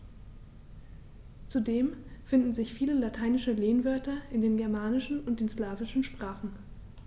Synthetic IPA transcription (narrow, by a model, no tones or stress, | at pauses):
t͡sudeːmfɪndn̩zɪçfiːləlatʰaɪnɪʃəleːnvœɐtɐʔɪndeːnɡɛɐmaːnɪʃn̩ʊnt̚d̥eːnslaːvɪʃn̩ʃpʁ̥aːχn̩